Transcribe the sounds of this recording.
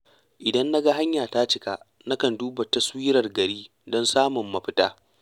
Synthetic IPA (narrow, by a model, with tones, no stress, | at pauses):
ʔɪ˨dɐ˦nːa˦ɡa˦ɦa˦ɲjaː˨ta˦t͡ʃɪ˦ka˦ʔ | na˦kɐ˨nduː˦ba˨tɐ˦swiː˦ɾɐ˨rɡɐ˨ɾiː˦ | dɔ˦nsaː˦mʊ˨mːɐ˦ɸɪ̥˦taː˦